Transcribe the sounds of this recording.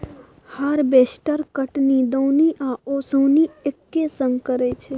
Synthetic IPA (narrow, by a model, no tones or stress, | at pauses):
həɾbeːsʈəɾkəʈnid̪oːniʔaːoːsəːniekːesə̃ŋɡkəɾet͡ʃʰe